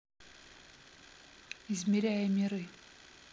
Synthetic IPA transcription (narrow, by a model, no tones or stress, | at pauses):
izmʲɪɾʲæjəmʲɪɾɨ